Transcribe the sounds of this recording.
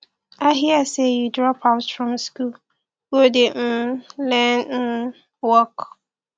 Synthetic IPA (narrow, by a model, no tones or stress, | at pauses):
aɦiəsejudɹɔpʰaʊtfɹɔ̃mskul | wodem̩lɛ̃nn̩ | wɔk